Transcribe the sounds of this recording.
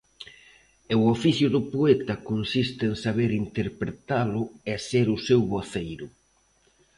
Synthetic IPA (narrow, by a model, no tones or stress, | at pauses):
ewofiθjʊðʊpoet̪ɐkonsist̪ɪeŋsaβ̞eɾint̪eɾpɾet̪alʊeseɾʊsewβoθejɾʊ